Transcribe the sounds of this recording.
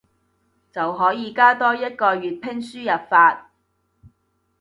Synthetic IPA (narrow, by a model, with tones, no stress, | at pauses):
t͡sɐ˨wɦɔː˨˥jiː˨˧kaː˥t̪ɔː˥jɐ˥t̚kɔː˧ɥyː˨t̚pʰɪ˥ŋsyː˥jɐ˨p̚faː˧t̚